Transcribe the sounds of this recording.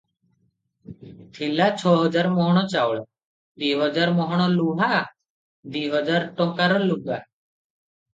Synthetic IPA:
t̪ʰilat͡ʃʰɔɦɔd͡ʒaɾmɔɦɔɽ̃ɔt͡ʃawɭɔ | d̪iɦɔd͡ʒaɾmɔɦɔɽ̃ɔluɦa | d̪iɦɔd͡ʒaɾʈɔkaɾɔluɡa

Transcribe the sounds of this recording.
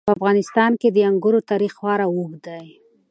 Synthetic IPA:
əafɣɑnɪst̪ɑnked̪əjaŋɡʊɾot̪ɑɾixwɑɾawuɡd̪aj

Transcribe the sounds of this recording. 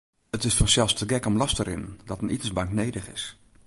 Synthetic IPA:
ətɪsfɔnsɛlˠstʰəɡɛkɔmlɑstəɾɪ̰ndɔtənitəsbɑŋknejdəχɪ̰s

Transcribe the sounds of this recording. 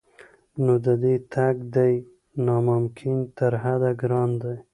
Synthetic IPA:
nod̪əd̪et̪ʰaɡd̪aj | nɑmʊmkʰɪnt̪əɾɦad̪aɡɾɑnd̪aj

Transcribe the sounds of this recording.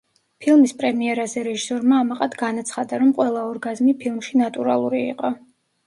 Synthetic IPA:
pʰilˠmispʼɾɛmiɛɾazɛɾɛʒisɔɾmaːmaqʼad̪ɡanat̪sʰχad̪aɾɔmqʼwɛlˠaɔɾɡazmipʰilˠmʃinat̪ʼuɾa̰lˠuɾiḭqʼɔ

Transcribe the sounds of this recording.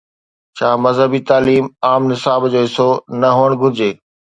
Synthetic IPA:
t͡ɕʰaːmɐzɦəbit̪aːliːmaːmnɪsaːbd͡ʑoːɪsonɐɦoːəɽ̃ɡʱʊɾɪd͡ʑeː

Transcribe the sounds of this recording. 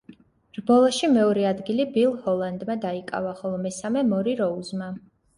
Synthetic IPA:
ɾbɔlˠɔʃimɛɔɾɛad̪ɡilibilˠhɔlˠand̪mad̪aikʼa̰vaχɔlˠɔmɛsamɛmɔɾiɾɔuzma

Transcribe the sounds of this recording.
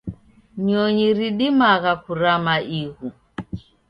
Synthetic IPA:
ɲɔɲiɾiɗimaɣakuɾamaʔiɣu

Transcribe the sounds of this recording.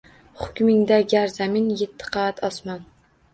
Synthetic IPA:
χʊ̥kʲmɪŋd̪æɡʲæɾzæmɪnjet̪ʰːɪ̥qʰɑːat̪ʰɒsmɑn

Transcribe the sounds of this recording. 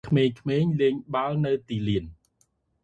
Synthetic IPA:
kʰmeːɲkʰmeːɲleːŋɓaəlnɨwt̪iːliən

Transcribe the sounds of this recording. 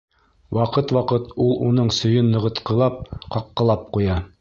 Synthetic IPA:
wɑqɤt̪wɑqɤt̪ulˠunɤɴsɵ̆jɵnːɤ̆ʁɤ̆t̪qɤ̆lˠɑp̚qɑqːɤ̆lˠɑp̚qujɑ

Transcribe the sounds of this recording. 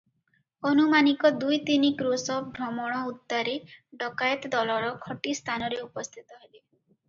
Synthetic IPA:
ɔnumanikɔd̪ujt̪inikɾosɔp̚ʰbʱɾɔmɔɽ̃ɔut̪ːaɾeɖɔkajɔt̪ɔd̪ɔlɔɾɔkʰɔʈist̪ʰanɔɾeupɔst̪ʰit̪ɔɦele

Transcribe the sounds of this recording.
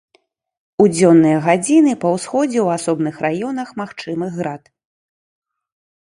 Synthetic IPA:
ud͡zʲɔnːɨjɐɣad͡zʲinɨpɐwsxɔd͡zʲɛwasɔbnɨxrajɔnɐxmaxt͡ʂɨmɨɣɣɾat̪

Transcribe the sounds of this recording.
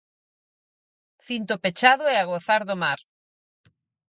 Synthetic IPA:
θint̪ʊpet͡ʃaðʊɛaɣoθaɾðʊmaɾ

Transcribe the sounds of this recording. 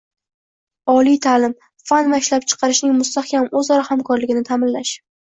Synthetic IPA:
ɒlˠijt̪ʰalɪm | fanvaɪʃlap̚t͡ʃʰɨ̥qʰɑɾɪʃnɪŋmʊst̪ahkʲʰamɵzɒɾahamkʰɒɾlɪɡʲɪnɪt̪ʰamɪnlaʃ

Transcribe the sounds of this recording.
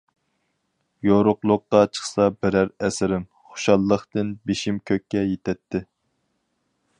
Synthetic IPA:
joɾʊqlˠʊqːɑt͡ʃʰə̥χsɑbɪɾæɾɛsɪɾɪm | χo̥ʃɑlˠːəχt̪ɨnbeʃimkʲʰøkʲːɛjet̪ʰɛt̪ʰːɪ

